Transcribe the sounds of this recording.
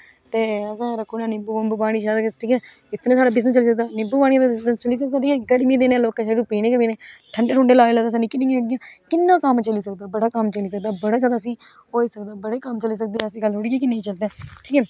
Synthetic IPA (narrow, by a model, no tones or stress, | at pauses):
t̪eːəsãːɾəkʰːuːnãːnɪbuːbəmbuːpaːɽ̃iːʃaːd̪akəsʈʰiːkɛː | ɪt̪ʰnẽːsaːɽaːbɪs̬nst͡ʃəliːsək̚d̪aːnɪbuːpaːɽ̃ĩaːd̪ast͡ʃəliːs̬ək̚d̪aːʈʰiːkɛːɡəɽmiːd̪eːnẽːloːkeːʃɛːɾupiːneːkəpiːneːʈʰəɳɖeːɾʊ̃ːɳɖeːlaːeːlaːd̪aːsãːnĩːkɪnːĩːãːɦʊɽɪjãːkɪnːãːkəmt͡ʃəliːsək̚d̪aːbəɽaːkəmt͡ʃəliːs̬əkd̪aːbəɽaːd͡ʒaːd̪aːsĩː | oːiːsəkd̪aːbəɽeːkəmt͡ʃəliːsək̚d̪eːəsĩːɡəlːɦʊɽɪiãːkɪnːẽiːt͡ʃəld̪eːʈʰiːkɛː